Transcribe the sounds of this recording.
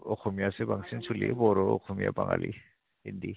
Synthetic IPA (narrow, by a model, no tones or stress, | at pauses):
ɔkʰɔmijasebaŋsinsʰulḭbɔɾɔɔkʰɔmija̰baŋa̰li | indi